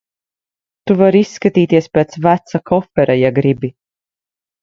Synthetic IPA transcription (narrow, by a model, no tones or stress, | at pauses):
t̪uvaɾisːkat̪iːt̪iɛspeːt̪svæt̪sakɔfɛɾajaɡɾibi